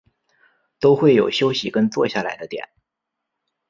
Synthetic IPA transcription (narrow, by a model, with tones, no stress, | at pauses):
t̪o˥ʊxwe˥˩ɪjo˨˩ʊɕjo˥ʊɕi˨kə˥nt͡swɔ˥˧ɕja˥˩la˧˥ɪd̪ə˧t̪jɛ̰˨˩˦n